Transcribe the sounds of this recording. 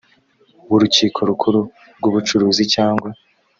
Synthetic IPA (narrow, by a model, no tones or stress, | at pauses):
βuɾuciːkʰo̞ɾukʰuɾu | ɾɡuβut͡ʃuɾuːzicaːŋɡwa